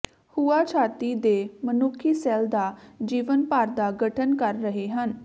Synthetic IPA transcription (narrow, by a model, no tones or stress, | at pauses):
huːaːt͡ʃʰaːt̪iːd̪eːmənʊkʰːiːsɛːld̪aːd͡ʒiːʋənpaːɾd̪aːɡəʈʰənkəɾːəɦeːɦən